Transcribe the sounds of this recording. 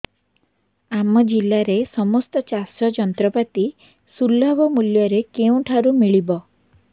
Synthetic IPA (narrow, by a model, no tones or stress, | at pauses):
amɔd͡ʒilːaɾesɔmɔst̪ɔt͡ʃasɾɔd͡ʒɔnt̪ɾɔpat̪i | sulːabɔmuljɔɾekeũʈʰaɾumiɭibɔ